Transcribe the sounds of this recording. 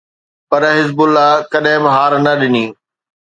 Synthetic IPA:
pɐɾɦɪzbʊlːakɐɗɦɪ̃bɪɦaːɾnɐɗɪniː

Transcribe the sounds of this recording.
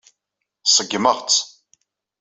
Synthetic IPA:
sˤəɡːməʁt͡sː

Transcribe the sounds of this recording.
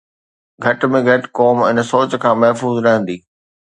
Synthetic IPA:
ɡʱɐʈmẽɡʱɐʈkɔːmɪnsoːt͡ɕkʰãːmɐɦfuːzɾɐɦə̃n̆d̪iː

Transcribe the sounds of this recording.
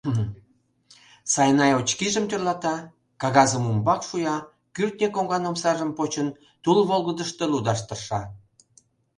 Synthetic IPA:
sɑjnɑjot͡ɕkiʒəmt̪ørlɑt̪ɑ | kɑɣɑzəmumbɑkʃujɑ | kyrt̪nʲekoŋɡɑnomsɑʒəmpot͡ɕən | t̪ulβolɣəd̪əʃt̪elud̪ɑʃt̪ərʃɑ

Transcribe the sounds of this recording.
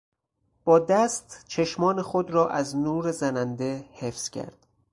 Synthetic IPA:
b̥ɒːd̪æst̪t͡ʃʰeʃmɒːnexod̪ɾɒːʔæznuːɾe̞zænænd̪e̞hefz̥cʰæ̰ɾd̪̥

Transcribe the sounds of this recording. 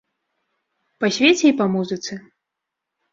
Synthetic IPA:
pasʲvʲet͡sʲɛipamuzɨt̪sɨ

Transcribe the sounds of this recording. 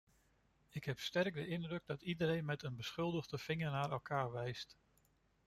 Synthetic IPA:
ɪkɦɛpstɛrɡ̚dəʔɪndrɵɡ̚dɑtidəɾejnmɛtənbəsχɵlˠdəχdəv̥ɪŋəɹnaːɾɛlˠkʰaːɹʋɛjst

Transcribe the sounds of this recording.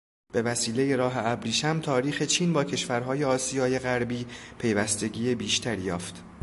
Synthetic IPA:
b̥e̞væsiːle̞jeɾɒːɦeæbɾiːʃæmt̪ʰɒːɾiːxe̞t͡ʃʰiːnbɒːcʰe̞ʃvæɾɦɒːje̞ɒːsijɒːje̞ɣæɾbiːpʰe̞jvæst̪e̞ɟiːjebiːʃt̪ʰæɾijɒːft̪

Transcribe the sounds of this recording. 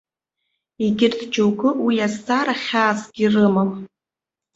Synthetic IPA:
iɡʲɪrtʰd͡ʒowɡɨwijazt͡sʼaɾaχʲaːt͡sɡʲirɨmam

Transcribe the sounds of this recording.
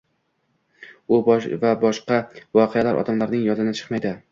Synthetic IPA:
ʊbvabɒʃqɑvɒqʰealaɾʔɒ̰d̪amlaɾnɪŋjɒzɪnɪt͡ʃʰɨ̥qmajd̪ɪ

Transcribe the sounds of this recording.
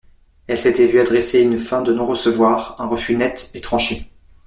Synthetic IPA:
ɛlset̪ɛvyad̪ʁeseynfɛ̃d̪ənɔ̃ʁəsəvwaʁɛ̃ʁəfynɛt̪et̪χɑ̃ʃe

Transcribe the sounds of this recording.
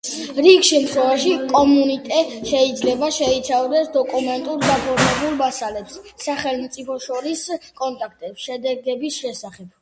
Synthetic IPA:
ɾiɡʃɛmt̪ʰχwɛvaʃikʼɔmunit̪ʼɛʃɛid̪zlɛbaʃɛit̪sʰavd̪ɛsd̪ɔkʼumɛnt̪ʼuɾd̪apʰɔɾmɛbulˠmasalɛpssaχɛlˠmt̪sʼipʰɔʃɔɾiskʼɔnt̪ʼakʰt̪ʼɛpsʃɛd̪ɛɡɛbisʃɛsaχɛb̥̚

